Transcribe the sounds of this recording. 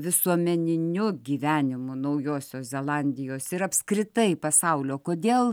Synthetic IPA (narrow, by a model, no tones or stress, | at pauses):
ʋʲɪsuɔmʲɛnʲɪnʲʊɡʲiːʋʲæːnʲɪmʊnɐʊjoːsʲoːszʲɛlˠɑnʲd̪ʲɪjoːsɪɾɐpskɾʲɪt̪ɐɪpɐsɐʊlʲoːkoːd̪ʲeːlˠ